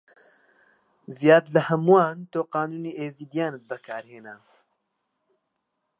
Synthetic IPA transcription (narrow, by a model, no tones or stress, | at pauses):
zijaːd̪ləhɐmuwaːnt̪oːqɑːnuːniːʔeːziːd̪ijaːnɨt̪̚bəkʰaːɾheːna